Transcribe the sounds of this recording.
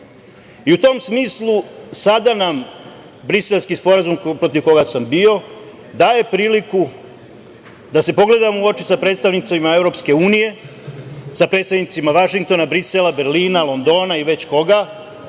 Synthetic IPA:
iut̪o̞msmiːslˠusad̪anam | bɾise̞lˠskispo̞ɾazumpɾo̞t̪iʋko̞ɡasambio̞ | d̪aːje̞pɾiːliku | d̪ase̞po̞ɡle̞d̪amouo̞t͡ʃisapɾet̪st̪aʋnit̪saimaevɾo̞pske̞uːnije̞ | sapɾet̪st̪aʋnit̪imaʋaʃiŋk̚t̪o̞nabɾiselabe̞ɾliːnalˠo̞nd̪o̞ːnaiʋe̞t͡ɕko̞ɡa

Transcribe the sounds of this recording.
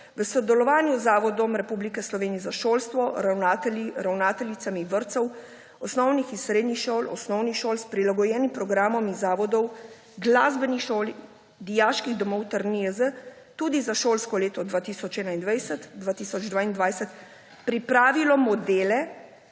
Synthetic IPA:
ʋəsɔd̪ɛlɔʋaːnjuzaːʋɔd̪ɔmɾɛpublikɛslɔʋeːnijɛzaʃoːlst̪ʋɔɾawnaːt̪ɛliɾawnaːt̪ɛlit̪samiʋəɾt̪sɔw | ɔsnɔwnixinsɾeːd̪nixʃoːlɔsnɔwnixʃoːlspɾilaɡɔjɛːnimpɾɔɡɾaːmɔmizaːʋɔd̪ɔw | ɡlaːzbɛnixʃoːli | d̪ijaːʃkiɣd̪ɔmɔwt̪aɾniəzə | t̪uːd̪izaʃoːlskɔleːt̪ɔd̪ʋaːt̪iːsɔt͡ʃɛːnaind̪ʋajsɛt̪d̪ʋaːt̪iːsɔd͡ʒd̪ʋaːind̪ʋaːjsɛt̪ | pɾipɾaːʋilɔmɔd̪eːlɛ

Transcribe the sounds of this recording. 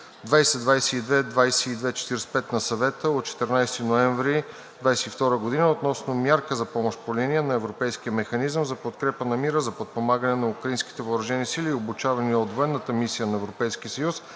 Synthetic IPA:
d̪vajsɛd̪vajsɛid̪vɛd̪vajsɛid̪vɛt͡ʃɛ̥t̪iɾɛspɛt̪nɐsɐvɛt̪əot̪̚t͡ʃɛ̥t̪ɛɾnajst̪inoɛɱvɾi | d̪vajsɛift̪ɔɾəɡod̪inəot̪nɔsnomʲjaɾkəzɐpɔmoʃt̪poliniənɐɛvɾopɛjskijəmɛxɐnizəmzɐpot̪kɾɛpənɐmiɾəzɐpot̪̚pomaɡənɛnɐukɾɐinski̥t̪ɛvəːɾɐʒɛnisiliːobut͡ʃavɐniəod̪voɛnːət̪əmisijənɐɛvɾopɛjskiəsəjus

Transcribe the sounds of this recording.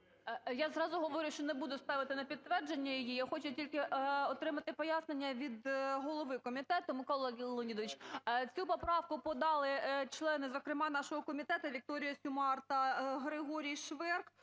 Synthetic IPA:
jazɾɑzʊɦɔʋɔɾʲʊʃt͡ʃɔnebud̪ʊst̪ɑʋɪt̪ɪnɐpʲid̪̚t̪ʋɛrd͡ʒenʲːɐjijijaxɔt͡ʃʊtʲilʲkɪʔɔt̪ɾɪmɐt̪ɪpɔjɑsnenʲːɐʋʲid̪ɦɔlˠɔʋɪkɔmʲit̪ɛt̪ʊmɪkɔlˠlˠɛɡʲillˠɔnʲid̪ɔʋɪt͡ʃt͡sʲupɔpɾɑʋkʊpɔd̪ɑlˠɪt͡ʃlˠɛnɪzɔkɾɪmɑn̪ɑʃɔɦɔkɔmʲit̪ɛt̪ɐʋʲik̚t̪ɔɾʲɪjʊsʲʊmɑrt̪ɐɦɾɪɦɔɾʲijʃʋɛrk

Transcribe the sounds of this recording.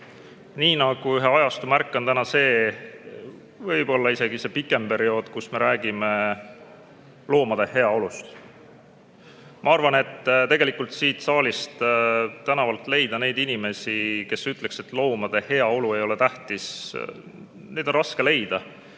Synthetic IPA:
niːnɑɡ̥uyɦe̞ɑjɑst̪umærkːˑo̞nt̪ænɑse̞ː | vɤjb̥o̞lːɑise̞ɡ̥ise̞pikːˑe̞mpe̞ɾio̞ːd̪̥kusme̞ɾæːɡ̥ime̞ | lo̞ːmɑd̪̥e̞he̞ɑo̞lust̪ | mʔɑɑrvɑne̞t̪ːt̪e̞ɡe̞likult̪siːt̪sɑːlʲist̪t̪ænɑvɑlt̪ˑle̞jd̪̥ɑne̞jd̪inime̞sike̞syt̪le̞kse̞t̪ːˑlo̞ːmɑd̪̥e̞he̞ɑo̞lue̞jo̞let̪æht̪is | ne̞jd̪o̞nrɑske̞le̞jd̪̥ɑ

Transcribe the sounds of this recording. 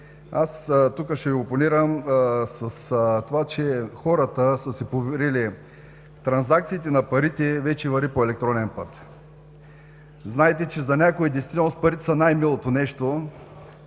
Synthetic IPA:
ast̪ukəʃɛioponiɾəmsɐst̪ovat͡ʃɛxɔɾət̪əsəsɛpovɛɾili | t̪ɾɐnzak̚t̪siːt̪̬ɛnɐpɐɾit̪ɛvɛt͡ʃɛvɐɾipoɛlɛk̚t̪ɾɔnɛnpət̪ | znaɛt̪ɛt͡ʃɛzɐnʲakoid̪ɛjsvit̪ɛlnospɐɾit̪ɛ̥sɐnajmilˠot̪onɛʃt̪o

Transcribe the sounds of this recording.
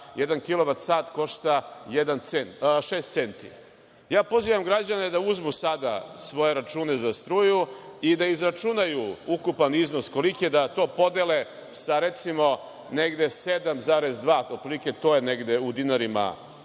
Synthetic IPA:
jed̪ankilo̞ʋat̪saːt̪ko̞ʃt̪ajed̪ant̪senʃeːst̪se̞nt̪ḭ | jaːpo̞ziːʋamɡɾad͡ʑane̞d̪auzmusad̪asʋo̞je̞ɾat͡ʃuːne̞zast̪ɾuːjuid̪aizɾat͡ʃunajuukupanizno̞sko̞liked̪at̪o̞ːpo̞d̪e̞le | saɾe̞t̪simo̞ | neɡd̪e̞sed̪amzaːɾe̞zd̪ʋaːot̪pɾiliket̪o̞ːjeneɡd̪eud̪inaɾima̰

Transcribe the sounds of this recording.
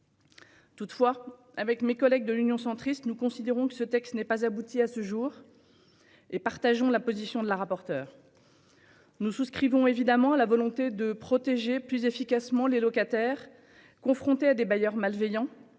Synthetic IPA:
t̪ut̪fwa | avɛkmekɔlɛɡ̚d̪əlynjɔ̃sɑ̃t̪χist̪nukɔ̃sid̪eʁɔ̃kə̥sət̪ɛkst̪nɛpazabut̪ʰiasəʒuːʁ | epaʁt̪aʒɔ̃lapozisjɔ̃d̪əlaʁapɔʁt̪œːʁ | nususkχivɔ̃evid̪amɑ̃alavɔlɔ̃t̪ed̪əpχɔt̪eʒeplyzefikasmɑ̃lelɔkat̪ɛːʁ | kɔ̃fχɔ̃t̪ead̪ebajœʁmalvejɑ̃

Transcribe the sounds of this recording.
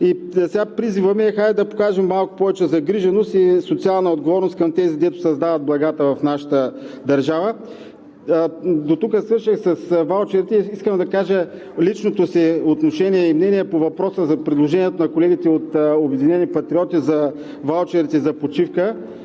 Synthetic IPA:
isɛɡapɾizivəmɛɛxajd̪ɐpo̥kaʒɛmːalˠkʊ̥pɔvɛt͡ʃɛzɐɡɾiʒɛnost̪isot̪sialˠnəod̪ɡovɔɾnost̪kɐmt̪ɛziɡd̪ɛt̪ʊ̥sɐzd̪avɐt̪̚blˠɐɡat̪əvɐfnaʃə̥t̪əd̪ɐɾʒavə | d̪ot̪ukəsvɤɾʃixsɐsvalˠt͡ʃɛɾit̪ɛiskəmd̪ɐkaʒə | lit͡ʃnot̪osiot̪noʃɛniɛimnɛniɛpovɐpɾɔsəzɐpɾid̪lˠoʒɛniɛt̪onɐkolɛɡʲit̪ɛot̪obɛd̪inɛnipɐt̪ɾiɔt̪izɐ | valˠt͡ʃɛɾit̪ɛzɐpot͡ʃifkə

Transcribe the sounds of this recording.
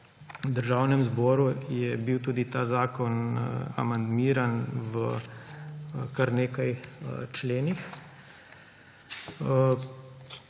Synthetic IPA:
d̪əɾʒaːwnɛmzbɔːɾujɛbiwt̪uːd̪it̪aːzaːkɔna̰mand̪miːɾanʋə | kaɾneːkajt͡ʃleːnix

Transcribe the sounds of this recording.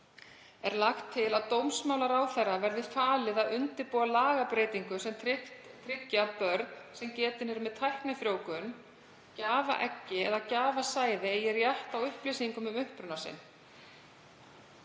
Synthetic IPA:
ɛɾlaxt̪ʰːɪlaðt̪owmsmaːwlaɾawθɛrːavɛɾðɪfaːlɪðaðʏnt̪ɪɾpuwalaːɣapɾeːjt̪iŋkʏsɛmt̪ʰɾɪcːapœɾt̪̚nsɛmcɛːt̪ɪnɛɾmɛðt̪ʰajhknaθɾjoːwkʏn | caːva̰ʔɛcːɪɛðacaːvasaːjðɪjɛɾjaht̪awʏhplisiŋkʏmʏmʏhpɾʏnasɪ̰n

